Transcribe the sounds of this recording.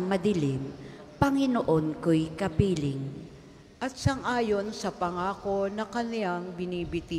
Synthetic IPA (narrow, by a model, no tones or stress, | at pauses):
ŋmɐd̪ɪlɪm | pɐŋɪnoʔonkojkɐpiːlɪŋ | ʔɐt̪̚sɐŋʔaːjo̞nsɐpɐŋaːkonɐkɐnɪaŋbɪniːbɪt̪i